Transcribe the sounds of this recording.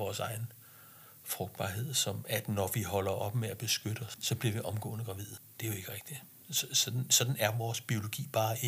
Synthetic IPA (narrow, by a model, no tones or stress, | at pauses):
ɒːsɑ̈ɪn̩ | fʁɔ̽ɡ̥d̥b̥ɑ̰̈ːɦe̝ð̰ˠsɒ̽mæd̥nɒʋiɦɒ̽lɐʔɒ̽b̥meæb̥e̝sɡ̥øɾ̥əɒ̽sːɒ̽b̥liɐ̰ʋiʔɒ̽mɡ̥ɔ̰̽ːnəɡ̥ʁɑ̈ʋið̰ˠd̥e̝æjoe̝ɡ̥əʁeɡ̥̚d̥i | ssɒ̽d̥n̩sɒ̽d̥n̩æɐʋɒːsb̥io̝lo̝ɡ̥ḭːb̥ɑ̈ː